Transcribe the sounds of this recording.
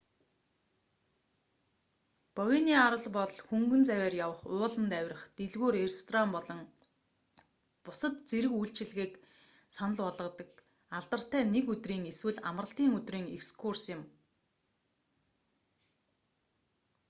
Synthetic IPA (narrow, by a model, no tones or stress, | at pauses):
pɔweniːaɾə̆ɮpɔɮxuŋɡɵ̆nt͡sæwʲæːrjawə̆χʊːɮə̆nt̪æwʲrə̆χt̪eɮɣoːɾerest̪ʰɔrampɔɮɞ̆ŋ | pʊsə̆t̪t͡seɾɘ̆kujɬt͡ɕɪ̆ɮɣiːk | sanə̆ɮpɔɮʁɞ̆t̪ə̆k | aɮt̪ə̆r̥t̪æːnekɵt̪riːŋeswɘ̆ɮa̰mrə̆ɬt̪iːŋɵt̪riːŋekskʰursjɪ̆m